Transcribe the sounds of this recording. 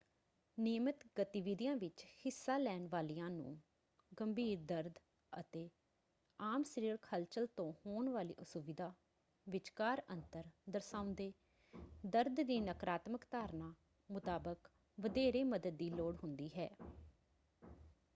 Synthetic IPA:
nɪjmət̪ɡət̪iːʋɪd̪ijãːʋɪt͡ʃhɪsːaːlɛːnʋaːliːãːnṵ̃ː | ɡəmbʱiːɾd̪əɾd̪ | ə̰t̪eː | aːmsɾiːɾkʰəlt͡ʃəlt̪õːhoːɳʋaːlḭːʔʊsʊʋɪd̪ʱaː | ʋɪt͡ʃkaːɾə̃nt̪əɾd̪əɾsãːʊ̃nd̪eː | d̪əɾd̪d̪iːnəkɾaːt̪məkt̪aːɾnaː | mʊt̪aːbək | ʋəd̪eːɾeːməd̪əd̪̚ːiːloːɽɦʊnd̪iːɦɛ̰ː

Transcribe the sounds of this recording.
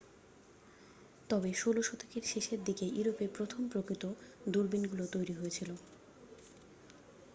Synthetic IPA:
t̪ɔbeʃoloʃot̪ʰekeɾʃeʃeɾd̪ikeʔuɾopepɾot̪ʰompɾokɾit̪od̪uɾbinɡulot̪ojɾiɦojet͡ɕʰilo

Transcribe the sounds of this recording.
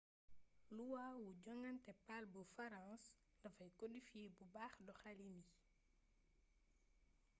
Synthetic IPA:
luwawuɟɔŋɐntɛpalbəfɐɾãːs | lɐfɐjkɔdifibubaxdɔxalini

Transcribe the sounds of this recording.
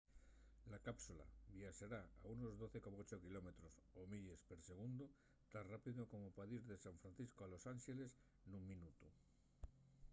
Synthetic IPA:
lakapsula̰βjaʃaɾaauno̞zðo̞θe̞ko̞maot͡ʃokilo̞me̞t̪ɾo̞somiʎespeɾse̞ɣ̞und̪o | t̪anrapiðoko̞mopaðiɾðe̞saɱfɾanθiskoalo̞sanʃele̞s | nuŋmĩnut̪u

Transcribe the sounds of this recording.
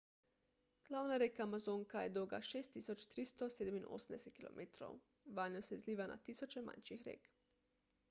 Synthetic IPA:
ɡ̥lawnaɾekaːmazoːŋkajɛd̪oːɡa̰ʃeːst̪ːisot͡ʃt̪ɾist̪ɔseːd̪ɛminʔo̰ːsnd̪ɛsɛt̪̚kilo̰mʔet̪ɾo̰w | ʋajnosɛzliːʋana̰t̪iːsot͡ʃɛma̰nʃixɾḛːk

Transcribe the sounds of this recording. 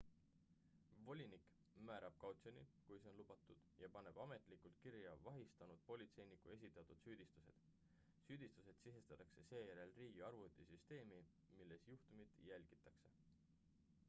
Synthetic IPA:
vo̞lʲinik | mæːɾɑb̥̚kɑwt̪sonikujseo̞nlub̥ɑt̪ːˑud̪̥jɑpɑne̞b̥ɑme̞t̪ˑlikˑult̪̚kiɾjɑvɑɦist̪ɑnud̪̥̚po̞lʲit̪se̞jnikˑue̞s̬ʲit̪ːˑɑt̪ːud̪̥syːd̪̥ist̪use̞̰d̪̥ | syːd̪̥ist̪use̞d̪̥siɦe̞st̪ɑt̪ːˑɑkse̞se̞ːjæɾe̞lriːɡiɑrvut̪ːˑesyst̪e̞ːmi | milːe̞sjuht̪umid̪̥jælʲɡ̥it̪ːˑɑkse̞

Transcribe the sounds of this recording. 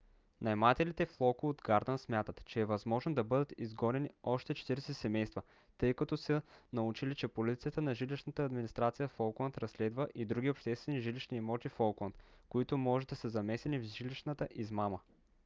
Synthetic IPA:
nɐɛmat̪ɛlit̪ɛflˠɔkʊod̪ɡaɾd̪ənsmʲjat̪ət̪t͡ʃɛːvɐzmɔʒnod̪ɐbɤd̪ət̪izɡɔnɛniɔʃt̪ɛt͡ʃɛ̥t̪iɾɛsɛsɛmɛjst̪və | t̪ɤjkɐt̪ɔsənɐut͡ʃilit͡ʃɛpolit̪ijət̪ənɐʒiliʃnət̪əːd̪minist̪ɾat̪sijəfɔlˠklˠənt̪ɾɐslɛd̪vəʔid̪ɾuɡ̟ʲiopʃt̪ɛst̪vɛniʒiliʃniɛmɔt̪ifɔlˠklˠɐnt̪koit̪ʊmɔʒɛd̪ɐsəzɐmɛsɛnivʒiliʃnət̪əʔizmamə

